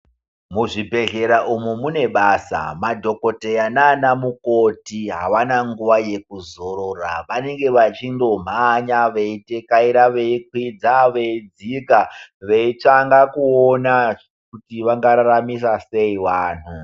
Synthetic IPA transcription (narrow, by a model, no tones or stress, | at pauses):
muʐibʱe̞ɮe̞ɾaʔumumune̞ɓaːsa̰madʱo̞ko̞tejananamukotiɦa̰ʋanaŋɡuʋaje̞kuzo̞ɾoraʋane̞ŋɡe̞ʋat͡ʃindo̞m̤aɲaʋeitekaiɾaʋe̞ik̚wid͡zaʋe̞id͡zikaʋe̞it͡ʂaŋɡakuona | kutiʋaŋɡaɾaɾamis̬ase̞iʋaːn̤u